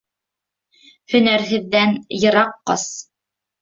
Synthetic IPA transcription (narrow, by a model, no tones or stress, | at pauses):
hɵ̆næɾɦɘ̆ðːænjɤ̆ɾɑqːɑ̰s